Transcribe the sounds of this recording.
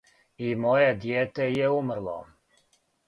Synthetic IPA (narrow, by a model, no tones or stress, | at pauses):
imojed̪jeːt̪ejeumr̩lˠo̰